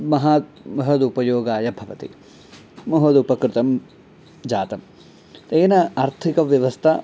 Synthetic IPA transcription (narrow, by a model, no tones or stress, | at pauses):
mɐɦaːmɐɦɐd̪upɐjoːɡaːjɐbʱɐʋɐt̪ḭ | mɐɦɐd̪upɐkɾɪt̪ɐm | d͡ʒaːt̪ɐm | t̪eːnɐɐɾt̪ʰikɐʋjɐʋɐst̪ʰɐ